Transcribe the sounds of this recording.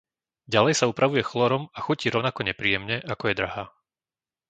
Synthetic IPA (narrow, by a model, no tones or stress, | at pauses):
ɟalɛjsaupɾaʋujɛxlˠɔɾɔmaxuciːɾɔʊnakɔɲɛpɾiːjɛmɲɛʔakɔjɛd̪ɾaɦaː